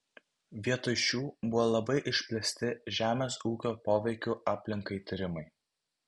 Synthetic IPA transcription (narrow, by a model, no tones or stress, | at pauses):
ʋʲiɛt̪ʊʃʲuːbʊʋoːlˠɐbɐɪʔɪʃʲpʲlʲɛsʲt̪ʲɪʒʲæːmʲeːsuːkʲoːpoːʋʲɛɪkʲuːʔɑːpʲlʲɪŋkɐɪt̪ʲɪɾʲɪmɐɪ